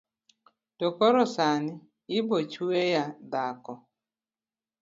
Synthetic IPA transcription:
tɔkɔɾɔsanɪ | ɪbot͡ʃwejad̪akɔ

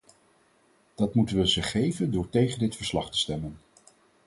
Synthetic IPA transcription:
d̥ɑtmutənʋəzəχejvəndʊːɹtejχəndɪtfəɹslɑχtə̥stɛmən

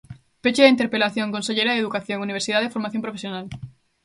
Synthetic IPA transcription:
pet͡ʃeðeint̪̬eɾpelaθjõŋkonseʎejɾaðeðukaθjoŋuniβ̞eɾsiðaðefoɾmaθjõmpɾofesjonal

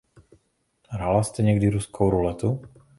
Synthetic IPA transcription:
ɦɾalast̪ɛɲɛɡd̪iɾuskʰowɾulɛt̪u

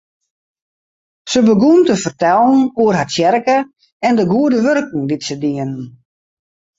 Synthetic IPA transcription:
səbəɡumtəfərtɛlˠn̩uərɦasjɛɾkə | ɛndəɡuədəʋørkŋ̩ditsədiənn

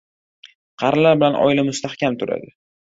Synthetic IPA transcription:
qʰɑɾlaɾbɪlanʔɒ̰ɪlamʊst̪ahkʲʰamt̪ʰʊɾa̰d̪ɪ

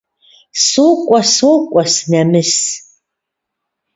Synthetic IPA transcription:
sukʷʼɔsukʷʼɔsnɐmɨs

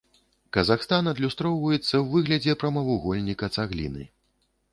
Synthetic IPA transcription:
kɐzaxst̪anɐd̪lʲust̪ɾɔwvɐjɛt̪sːɐwvɨɣlʲɐd͡zʲɛpɾɐmɐvuɣɔlʲnʲikɐt̪saɣlʲḭnɨ̰

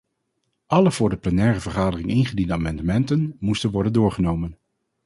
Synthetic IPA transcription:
ʔɑləv̥ʊːɹdəplənɛːrəvəɹχaːdərɪŋɪnχədindəaːmɑndəmɛntənmustənʋɔɹdəndʊːɹχənowmən

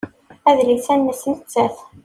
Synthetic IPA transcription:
æðɾisænːəsənət͡sːæθ

